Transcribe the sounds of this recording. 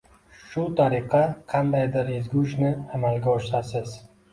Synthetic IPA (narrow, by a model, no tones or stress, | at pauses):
ʃʊt̪ʰaɾiqʰɑqʰɑnd̪ajd̪ɪɾezɡʲʊʃnɪamalɡʲaɒʃt̪asɪz